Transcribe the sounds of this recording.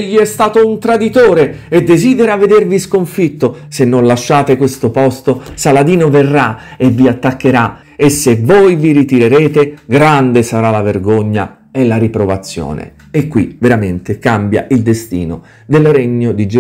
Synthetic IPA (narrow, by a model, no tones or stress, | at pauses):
ʎːiɛst̪aːt̪ount̪ɾad̪it̪oːɾe | ed̪ːeziːd̪eɾaved̪erviskoɱfit̪ːosenːonlaʃːaːt̪ekwest̪opɔst̪osalad̪iːnoverːa | evːiat̪ːakːeɾa | esːevojviɾit̪iɾeɾeːt̪eɡɾand̪esaɾalaverɡoɲːa̰ | ɛlaɾipɾovat̪sːjo̰ːnḛ | ekːwḭveɾament̪ekambja̰ʔild̪est̪ḭːno̰ | d̪elreɲːod̪id͡ʒ